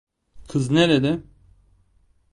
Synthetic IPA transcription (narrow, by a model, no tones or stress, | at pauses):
kʰɯzneɾed̪ɛ